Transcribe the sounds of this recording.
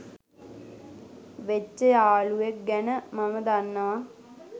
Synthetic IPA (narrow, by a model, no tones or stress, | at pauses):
ʋet͡ʃːejaːɭujek̚ɡɛnəmɐmɐd̪ɐnːɐʋɐ